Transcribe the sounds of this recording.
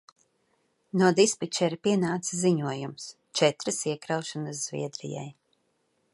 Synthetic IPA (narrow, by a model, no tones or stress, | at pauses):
nuɔd̪ispit͡ʃɛɾpiɛnaːt̪sziɲuɔjums | t͡ʃɛt̪ɾɨsiɛkɾawʃanɨsz̥vʲḭɛd̪ɾḭja̰j